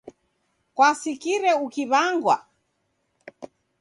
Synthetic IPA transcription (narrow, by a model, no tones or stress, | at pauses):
kwasikiɾɛukiβaŋɡwa